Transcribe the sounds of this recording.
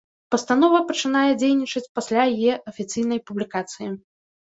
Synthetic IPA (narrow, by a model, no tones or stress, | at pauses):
pɐst̪an̪ɔvɐpɐt͡ʂɨnajɛd͡zʲejnʲit͡ʂɐt͡sʲpasʲlʲajjɛʔɐfʲit̪sɨjn̪ɐjpublʲikat̪sɨji